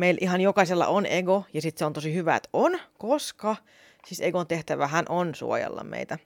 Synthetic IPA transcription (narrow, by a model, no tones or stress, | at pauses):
meilʔihɑnjokɑselːɑ̰ʔoneɡojɑsit̪seont̪osihyʋæḛt̪onkoskɑ | siseɡont̪eht̪æʋæhænʔonsṵojḛlːɑ̰mḛit̪æ